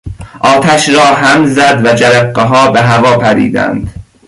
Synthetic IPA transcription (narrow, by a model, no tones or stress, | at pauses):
ʔɒːt̪ʰæʃɾɒːɦæmzæd̪væd͡ʒæɾeqːeɦɒːbeɦævɒːpʰæɾḭːd̪æ̰nd̪̥